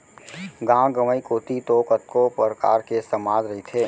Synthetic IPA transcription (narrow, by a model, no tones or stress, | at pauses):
ɡãːɡəməikoːt̪it̪oːkət̪kopəɾəka̰ːɾkesəmaːd͡ʒɾɐɦit̪ʰeː